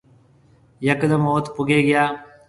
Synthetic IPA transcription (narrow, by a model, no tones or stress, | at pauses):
jɐkd̪əmoːt̪pʊɡeːɡɐjaː